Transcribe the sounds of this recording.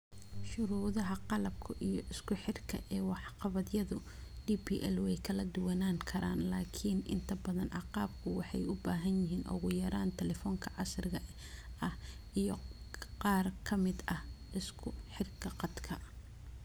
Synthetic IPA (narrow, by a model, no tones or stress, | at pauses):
ʃʊɾuːðɐɦɐqɑlɐb̚kʰɐʔijɔʔɪskʰʊħɪrkʰɐʔɛːwɑħqɑβɐðjɐðʊ | d̥iːpʰiːʔɛlwɛjkʰɐlɐd̪ʊwɐnaːŋkʰɐɾa̰ːnlaːkʰinɪ̰nt̪ʰɐbɐðɐnʔɑqɑːb̚kʰʊwɑħɑ̰jʊbaːɦɐnjɪɦiːnʔʊ̰ɣʊjɐɾaːnt̪ʰɛlɛfɔːŋkʰɐʕɑsrɪɣɐ | ɐh | ʔijɔqɑːrkʰɐmɪd̪ɐhʔɪskʰʊħɪrkʰɐqɑd̪kʰɐ